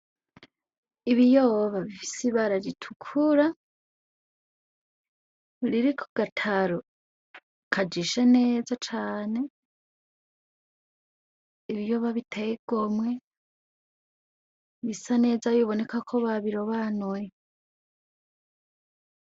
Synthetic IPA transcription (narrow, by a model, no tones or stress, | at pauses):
iβijoːβaβifi̥siβaɾaɾitʰu̥kʰuɾa | ɾiɾikʰo̥ɡ̥atʰaɾo | kʰad͡ʒiʃe̞ne̞ːzat͡ʃaːne̞ | iβijo̞ːβaβitʰejeɡ̥omwe̞ | βisane̞ːzajoβo̞ne̞kakʰo̞βaβiɾo̞βanoje